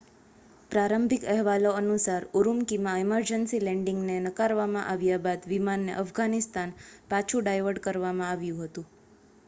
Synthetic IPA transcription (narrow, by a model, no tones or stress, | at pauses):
pɾaɾəmbʱikəɦʋaloənusaɾuɾumkimãiməɾd͡ʒənsilɛɳɖɪŋɡnenəkaɾʋamã̰ʔaʋjabad̪ʋimanːḛʔəfɡanist̪anpat͡ʃʰũɖajʋəɾɖkəɾʋamãaʋjũɦət̪ũ